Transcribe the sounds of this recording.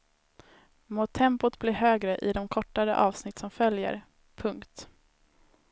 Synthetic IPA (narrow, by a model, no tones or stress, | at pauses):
mʊt̪ʰɛmpʊt̪blɪɾɦøːɡɾəʔɪd̪ɔmkʰɔʈːaɾə̰ʔɑːvsnɪt̪ːsɔmfœljə̰ɾ | pʰɵŋkt̪